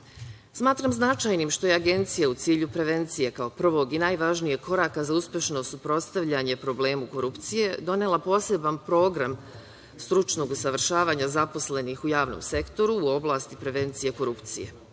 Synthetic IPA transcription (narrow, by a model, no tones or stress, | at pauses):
smaːt̪ɾamznat͡ʃaːjnimʃt̪o̞je̞aɡe̞nt̪sijaut̪siːʎupɾe̞ʋe̞nt̪sije̞kao̞pr̩ʋo̞ɡinajʋaʒnije̞kʰo̞ɾaːkazauspje̞ʃno̞supɾo̞t̪st̪aʋʎaɲe̞pɾo̞ble̞ːmuko̞ɾupt̪sije̞d̪o̞nelapo̞ːse̞bampɾo̞ːɡɾam | st̪ɾut͡ʃno̞ɡusaʋr̩ʃaːʋaːɲazapo̞sle̞nixujaːʋno̰mse̞kt̪o̞ɾuːo̞blˠast̪ipɾe̞ʋe̞nt̪sije̞ko̞ɾupt̪sḭje̞̰